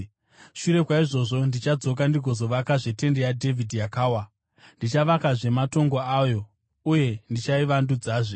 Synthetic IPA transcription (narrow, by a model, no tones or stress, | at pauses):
ʃuɾe̞kwaiʐo̞ʐo̞ndit͡ʃad͡zo̞k̬andiɡʱo̞zo̞ʋakaʐe̞te̞ndejadʱe̞vʱidʱjakaːwa | ndit͡ʃaʋakaʐe̞mato̞ŋɡo̞aːjo̞ | uje̞ndit͡ʃaiʋandud͡zaːʐe